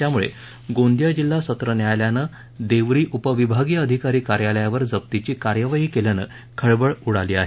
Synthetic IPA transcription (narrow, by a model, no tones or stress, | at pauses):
t̪jamuɭḛ | ɡõnd̪jad͡ʑilːasət̪ɾənjajljanə | d̪eʋɾiːʔupəʋibʱaɡijəəd̪ʱikaɾiːkaɾjaləjaʋəɾd͡zəp̚t̪it͡ɕiːkaɾjəʋaɦiːkeljanə̰ | kʰəɭbəɭuɽaliːa̰ɦe